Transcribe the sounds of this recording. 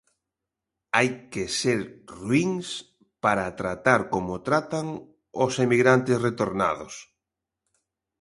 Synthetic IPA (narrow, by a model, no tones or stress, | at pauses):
ajkeseɾrwiŋs | paɾat̪ɾat̪aɾkomot̪ɾat̪aŋ | ʊsemiɣɾant̪esret̪oɾna̰ðʊ̰s